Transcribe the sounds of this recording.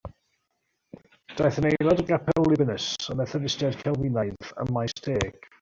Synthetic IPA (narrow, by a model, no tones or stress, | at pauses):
d̥ajθənejlˠɔdəɡapʰɛllˠɪbɪnəsəmɛθəvɪstjadkʰɛlˠwɪnajðə̰mːajsteːɡ̥